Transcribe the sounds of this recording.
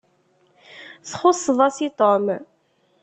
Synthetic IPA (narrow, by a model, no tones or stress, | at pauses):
θχʊsˤːðˤɑsit̪ˤom